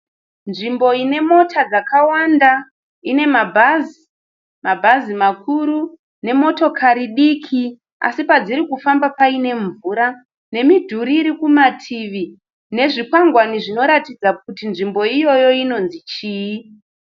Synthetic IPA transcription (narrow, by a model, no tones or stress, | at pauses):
nʐimbo̞ine̞mo̞tʰad͡zakawanda | ine̞mabʱazi | mabʱazimakʰuɾu | ne̞mo̞to̞kʰaɾiɗikʰi | a̰sipad͡ziɾikufambapaine̞ɱvuːɾa | ne̞midʱuɾiːɾikumatʰiʋi | ne̞ʐikwaŋɡwaniʐino̞ɾatid͡zak̚utinʐimbo̞ijo̞jo̞ino̞nzit͡ʃiːi